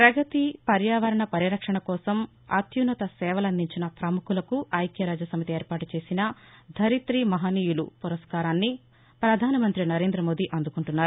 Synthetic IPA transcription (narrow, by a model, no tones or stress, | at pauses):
pɾɐɡɐt̪ipɐɾjaːʋɐɾɐɳɐpɐɾiɾɐkʂɐɳɐkɔːsɐm | ɐ̰t̪junɐt̪ɐsɛːʋɐlɐnd̪iɲt͡ʃinɐpɾɐmukulɐkuʔɐjkjɐɾaːd͡ʒɐsɐmit̪ieːɾpaːʈut͡ʃe̞ːsinɐd̪ʱɐɾit̪ɾimɐɦaniːjulṵpuɾɐskaːɾaːnːi | pɾɐd̪ʱaːnɐmɐnt̪ɾinɐɾe̞ːnd̪ɾɐmo̞ːd̪iʔɐnd̪ukuɳʈunːaːɾu